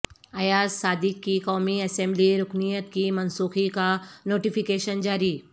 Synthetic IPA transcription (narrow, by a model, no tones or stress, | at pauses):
ɐjaːzsaːd̪ɪkːikɔːmiɐsɛ̃ːmbliɾʊknijət̪kimɐnsuːxikanoːʈifɪkeːʃənd͡ʒaːɾi